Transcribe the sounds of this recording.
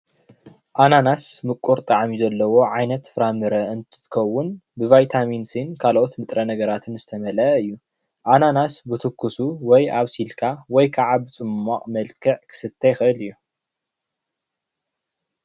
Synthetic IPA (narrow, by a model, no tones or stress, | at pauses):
ʔananasmɨkʼuɾt̪ʼaʕmizɐlːɐwo̞ʕajnɐt̪fɨɾamɨɾɐɨnt̪ʰɨ̥t̪ɨkʰɐwːʊnbɨvajt̪ʰaminsɨnkʰalʔot̪mɨt̪ʼɾɐnɐɡɐɾat̪ʰɨnzɨt̪ʰɐmɐlɐɨjːu | ʔananasbɨt̪ʰɨkʰːusuwɔjaβsilkʰawɔjkʰaʕabɨt͡sʼɨmːaqʼmɐlkʰɨʕkʰɨ̥sɨt̪ʰːɐjxɨɨlɨjːu